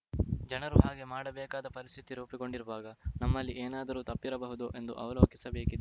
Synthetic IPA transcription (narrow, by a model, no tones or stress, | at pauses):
d͡ʒɐnɐɾuɦaːɡe̞maːɽɐbɛːkaːd̪ɐpɐɾist̪ʰit̪iɾuːpiko̞ɳɖiɾuʋaːɡɐnɐmːɐlːiʔeːnaːd̪ɐɾuːt̪ɐpːiɾɐbɐɦud̪uʔe̞nd̪uʔɐʋɐlo̞ːkisɐbeːkid̪e